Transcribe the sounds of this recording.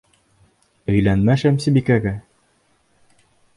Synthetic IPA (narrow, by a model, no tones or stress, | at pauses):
ɵ̆jlænmæʃæmsibikæɡæ